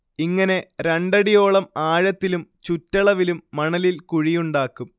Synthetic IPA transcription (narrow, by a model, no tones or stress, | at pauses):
iŋːɐne̞ɾeɳɖɐɽijo̞ːɭɐmaːɻɐt̪ːilumt͡ɕutːɐɭɐʋilumːɐɳɐlilkuɻijuɳɖaːkːum